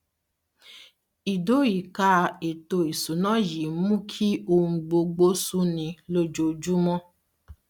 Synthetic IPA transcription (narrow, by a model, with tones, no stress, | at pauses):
i˨do˨˦ji˨ka˧˦˧e˨to˧i˨su˨˦nɔ̃˦ji˨˦mũ˦kʰi˦o˧ũ˧ɡ͡bo˧ɡ͡bo˦su˦nĩ˧lo˦d͡ʒo˧d͡ʒu˦mɔ̃˦